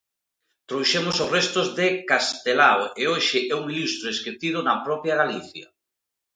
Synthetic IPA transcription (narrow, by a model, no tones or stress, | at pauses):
t̪ɾowʃemʊsozrest̪ʊzðɪkast̪elaweoʃɪʔɛuŋilust̪ɾʊesket̪ið̞ʊnɐpɾɔpjaɣaliθjɐ